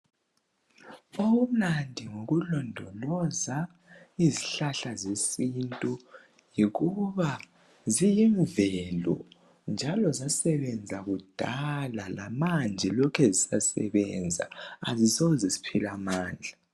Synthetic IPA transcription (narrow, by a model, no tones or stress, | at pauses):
owum̩nandʱiŋoɣulɔndʱɔlɔza | iziɬaɬazesintʼu | jiɣuβa | zijiɱvɛlɔ̰ | nd͡ʒʱalɔzasɛβɛnd͡zʱaɣud̥ʱalalamand͡ʒʱɛlɔkʰɛzisasɛ̰βɛnd͡zʱa̰a̰zisozɛsi̥pʰilamaːnd͡ɮʱa